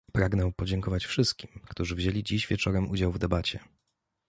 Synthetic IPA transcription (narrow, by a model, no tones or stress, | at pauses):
pɾaɡnɛpɔd͡ʑɛŋkɔvat͡ɕfʂɘst̪̚kʲimkt̪uʐɘvʑelʲid͡ʑiʑvʲjɛt͡ʂɔɾɛmʔud͡ʑawvd̪ɛbat͡ɕɛ